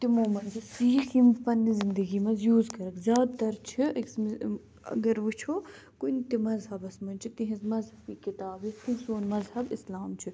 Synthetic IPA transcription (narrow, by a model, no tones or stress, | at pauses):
t̪imoːmɐnzɐsiːximpɐnːizɪnd̪ɐɡiːmɐnzjuːzkɐɾɐkzʲjaːd̪t̪ɐɾt͡ʃʰiɐs | ɐ̰ɡɐɾʋut͡ʃʰoː | kunt̪imɐzɦɐbɐsmɐnt͡ʃʰit̪iɦizmɐzɦɐbiːkit̪aːbist̪iɦsoːnmɐzhɐbɪslaːmt͡ʃʰi